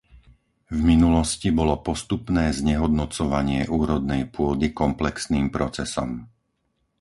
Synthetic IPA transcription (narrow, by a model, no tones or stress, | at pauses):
vminulɔscibɔlɔpɔst̪upnɛːzɲɛɦɔd̪nɔt͡sɔʋaɲɪɛʔuːɾɔd̪̚nɛjpʊɔd̪ikɔmplɛksniːmpɾɔt͡sɛsɔ̰m